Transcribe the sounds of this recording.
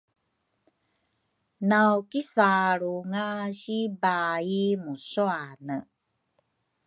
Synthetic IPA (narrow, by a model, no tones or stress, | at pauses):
nawkisaɾuŋaɕibaimusoanə